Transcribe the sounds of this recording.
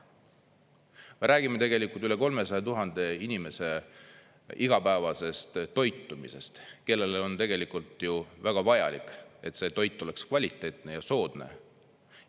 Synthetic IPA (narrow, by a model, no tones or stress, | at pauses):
meɾʔæːɡ̥ime̞t̪e̞ɡe̞likˑult̪yle̞ko̞lme̞sɑjɑt̪uɦɑnd̪̥e̞inime̞se̞ | iɡ̥ɑpæevɑse̞st̪t̪o̞jt̪ːˑumḭse̞st̪ke̞lːe̞lo̞nt̪e̞ɡe̞likˑult̪ˑjuvæɡ̥ɑvɑjɑ̰likːˑe̞t̪ˑse̞ːt̪o̞jt̪ˑːo̞le̞kskvɑlʲit̪ːˑe̞ːt̪ˑne̞jɑso̞ːd̪̥ne̞̰